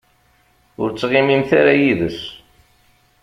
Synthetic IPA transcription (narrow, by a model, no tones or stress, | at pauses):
ʊɾt͡sːʁimimθaɾajiðəs